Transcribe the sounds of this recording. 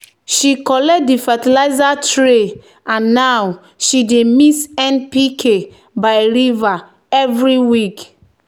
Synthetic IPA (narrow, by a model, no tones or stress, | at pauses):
ʃikɔlɛt̚difatilaɪzatɹe | ãnːaw | ʃidemisɛ̃npikʰe | baɪɾiva | ɛvɹiwik